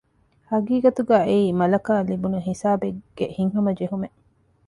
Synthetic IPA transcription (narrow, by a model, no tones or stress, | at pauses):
hɐɡiːɡɐt̪uɡæːeiːmɐlɐkaːlibunuɦisaːbeɡ̥ehiŋɦɐmɐd͡ʒeɦumeʔ